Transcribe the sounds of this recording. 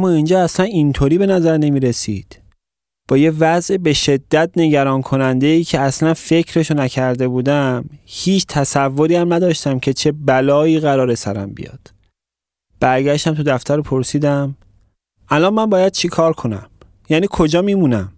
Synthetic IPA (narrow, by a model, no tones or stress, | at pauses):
æmːɒːind͡ʒɒːæslænint̪ʰoːɾiːbe̞næzæɾne̞miːɾe̞sḭːd̪̥ | b̥ɒːjevæzʔebe̞ʃe̞d̪ːæt̪̚ne̞ɟæɾɒːnkʰo̞nænd̪e̞iːcʰe̞æslænfe̞cʰɾe̞ʃonæcʰæɾd̪e̞buːd̪æmhiːt͡ʃʰt̪ʰæsævːoɾiːæmnæd̪ɒːʃt̪æmcʰe̞t͡ʃʰe̞bælɒːiːɣæɾɒːɾe̞sæɾæ̰mbḭjɒ̰ːd̪̥ | b̥æɾɡæʃt̪æmt̪ʰud̪æft̪ʰæɾopʰo̞ɾsiːd̪æm | ʔælɒːnmænbɒːjæd̪̥̚t͡ʃʰikʰɒːɾkʰo̞næ̰m | jæːniːkʰo̞d͡ʒɒːmiːmuːnæm